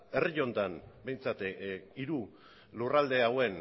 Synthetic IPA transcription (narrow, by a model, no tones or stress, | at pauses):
e̞riʎo̞nt̪anbe̞jnt͡sat̪iɾu | lurald̪e̞awe̞n